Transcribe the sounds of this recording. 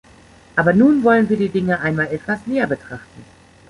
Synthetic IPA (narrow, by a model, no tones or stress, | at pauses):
ʔaːbɐnuːnvɔlənviːɐdiːdɪŋəʔaɪnmaːlɛtv̥asneːɐbətʁ̥aχtn̩